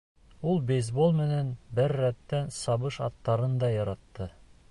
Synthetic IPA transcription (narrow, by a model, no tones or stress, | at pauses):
ulˠbejzbolˠmɘ̆nænbɘɾːæt̪ːænsɑβɤʃɑ̰t̪ːɑɾɤnd̪ɑjɑɾɑt̪ːɤ